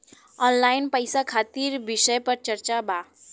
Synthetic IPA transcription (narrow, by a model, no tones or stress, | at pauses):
ɔnlajnpəjsakʰat̪iɾbisəjpəɾt͡ʃəɾt͡ʃaba